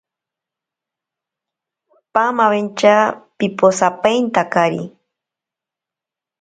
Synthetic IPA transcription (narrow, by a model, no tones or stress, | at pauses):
pamaβent͡ʃapiposapejnt̪akaɾḭ